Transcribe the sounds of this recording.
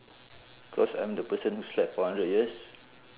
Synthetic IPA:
kʰlɔsã̰j̃mdəpəsə̃nhuslɛpfɔhãndɹəd̚jiəs

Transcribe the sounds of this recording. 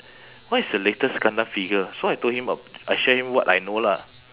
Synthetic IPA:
watisdəletəskãndafiɡəsoajtohĩməajʃɛhĩmwɔtajnola̰

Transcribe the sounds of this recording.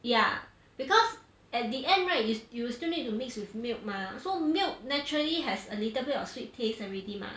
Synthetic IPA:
ja | b̥ikɔs | ɛt̚diʔɛ̃ndɹaɪt̚jujustunitːumikswifmilk̚masomilk̚nɛt͡ʃuɹəliɦɛsəlitəbɛtɔfswitʰːesɛ̃vɹitĩmã̰

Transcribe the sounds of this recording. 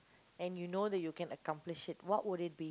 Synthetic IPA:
ɛ̃njunodɛt̚jukɛ̃nəkãmplɪʃɪt̚wɔʔwʊɾɪt̚bi

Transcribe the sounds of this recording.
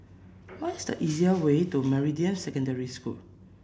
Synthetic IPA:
wɔtisdə̰ʔiziəwetuməɹidiə̃msɛkɔ̃ndɛɹiskṵl

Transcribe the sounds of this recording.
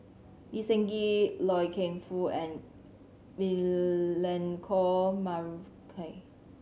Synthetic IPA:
isɛ̃ŋɡilɔjkʰẽnfuɛ̃n | milɛ̃nkʰɔma | kʰe

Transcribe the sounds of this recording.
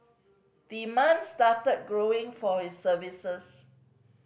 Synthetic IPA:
d̪̥imãnstatət̚ɡɹoɪ̃ŋfɔhisːəvisəs

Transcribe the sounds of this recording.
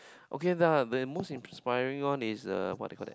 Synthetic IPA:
ʔokeðadəmosĩmspaɪɹĩŋɔ̃nisʌ̰wɔ̰t̚da̰ɛkɔlɛ̰t̚

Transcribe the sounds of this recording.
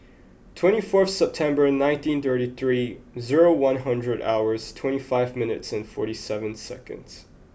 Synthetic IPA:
tʰw̥ɛ̃ɾ̃ifɔɹθsɛp̚tʰɛ̃mbə˞ɨ̃nːãɪ̃ntĩnθɜ˞ɾiθɹizɪɹoʊwʌ̃nɦʌ̃ndɹɨɾa̰ʊə˞z̥tʰw̥ɛ̃ɾ̃ifaɪvmɪ̃nɨ̰tsɨ̃nfɔɹɾisɛvɨ̃nsɛ̰kɨ̰̃ndz̥

